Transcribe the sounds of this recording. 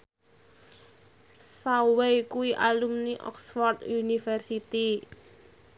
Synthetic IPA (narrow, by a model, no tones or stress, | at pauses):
sawejkuiʔalumniʔɔ̰ksfɔrt̪unifɛrsit̪i